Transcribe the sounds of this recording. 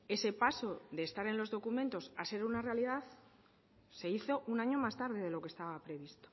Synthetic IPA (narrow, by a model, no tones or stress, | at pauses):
e̞se̞paso̞ðeːst̪aɾe̞nlo̞zðo̞kumẽ̞nt̪o̞sase̞ɾunare̞aliðaθ | se̞iθo̞ʔunaɲo̞mast̪aɾð̞e̞ðe̞lo̞kest̪aβ̞apɾe̞β̞ist̪o̥